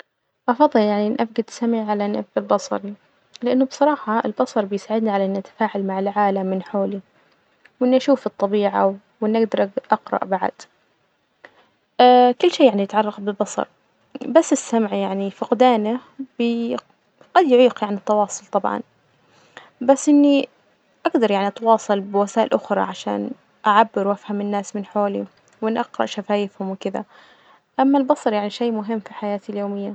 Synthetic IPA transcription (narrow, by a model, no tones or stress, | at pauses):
ʔɑfɑðˤːɨljaʕninʔafɡad̪samiʕalanabɪlbɑsˤɑ̰ɾi | lɪʔanːʊbsˤɑɾˤɑːħɑɪ̰lbɑsˤɑɾˤbɪjsaːʕɪd̪niʕalaʔɪnːʔat̪ḁfaːʕalmaʕɪlʕaːlamːɪnħoːli | wʔɪnːʔaʃuːfɨt̪ˤːɑbiːʕa | ɪnːaɡd̪ɑɾˤaɡʔɑqɾɑ̰ʔbaʕa̰d̪̥ | akʊlːʃeːjaʕnijɪt̪ʕɑrˤːɑqbɪbɑsˤɑ̰ɾˤ | basːɪsːamʕjaʕnifɪqd̪aːnabɪ | ɡ̥ɑd̪jʊʕiːqjaʕnit̪ːɑwɑːsˤʊlt̪ˤɑbʕɑ̰n | basːʔɪnːi | ʔaɡd̪ɑɾˤjaʕniʔɑt̪wɑːsˤɑlbɪwasaːʔɪlʔʊxɾˤɑ̰ʕaʃa̰ːn | ʔaʕabːɪɾwʔafhamɪnːaːsmɪnħoːli | wɪnʔɑqɾɑ̰ʔʃafaːjɪfhʊmwɪkɪd̪a̰ | ʔamːalbɑsˤɑɾˤjaʕniʃeːmʊɦɪmːfiħajaːt̪iljoːmɪjːa